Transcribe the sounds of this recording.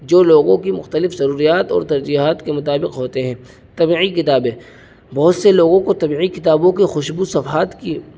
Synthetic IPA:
d͡ʒoːloːɡõkimʊxt̪əlɪfzɐɾuːɾijaːt̪ɔ̰ːɾt̪ɐɾd͡ʒiːɦaːt̪kemʊt̪aːbɪqɦoːt̪eɦɛ̃ː | t̪ɐbiːʕikɪt̪aːbẽː | bɐɦʊt̪seloːɡõkot̪ɐbiːʕikɪt̪aːbõkixʊʃbusɐfɦaːt̪ki

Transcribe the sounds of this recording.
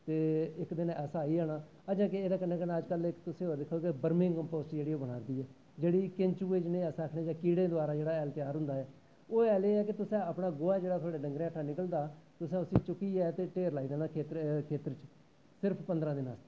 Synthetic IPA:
t̪eːɪkd̪ɪnɛːsaːiːaːnaː | əd͡ʒãːkɪeːd̪aːkənẽːkəneːəd͡ʒkəlɪkt̪ʊsẽːɦoːɾd̪ɪkʰːoːkebəɾmɪ̃ŋkəmpoːsʈd͡ʒeːɽiːoːbəɽ̃a̰ːd̪iːɛː | d͡ʒeːɽiːkɪ̃ɲt͡ʃuːeːd͡ʒnẽːɛːsaːkʰneːd͡ʒãːkiːɽẽːd̪ʊaːɾaːd͡ʒeːɽaːɛːlt̪ɪjaːɾɦʊ̃nd̪aːɛː | oːɛːleːɛːkɪt̪ʊsẽːəpɳaːɡoːaːd͡ʒeːɽaːt̪ʰwaːɖeːɖəŋɡɾẽːəʈʰːaːnɪkəld̪aːt̪ʊsẽːʊsĩːt͡ʃʊkiːɛːt̪eːʈeːɾlaːiːd̪aːnaːkʰeːt̪kʰeːt̪əɾt͡ʃ | sɪɾpʰpənd̪ɾãːd̪ɪna̰ːst̪ː

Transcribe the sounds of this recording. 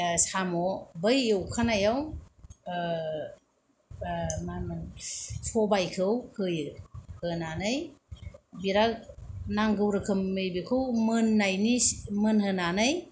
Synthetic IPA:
samɔbɯjewkʰanajaw | mamɯnfʰɔbajkʰɯwkʰɯjɯhɯnanɯj | biɾanaŋɡɯwɾɯkʰɯmːɯjbikʰɯwmɯnːajnimɯnhɯnanɯj

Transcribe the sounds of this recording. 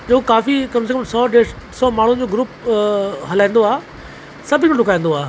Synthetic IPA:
d͡ʑoːkaːfikɐmsekəmsɔːɖeː | sɔːmaːɳ̤ũd͡ʑoːɡɾuːp | ɦɐlaːĩːn̆d̪oaːɦ | sɐbʱkʰʈɖʊkaːĩːn̆d̪oaːɦ

